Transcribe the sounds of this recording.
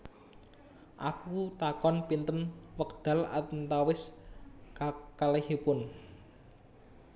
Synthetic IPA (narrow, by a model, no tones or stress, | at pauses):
ʔakut̪akɔnpint̪ənwək̚d̪̥ä̤la̰t̪ənt̪awɪs | kakalehepʊn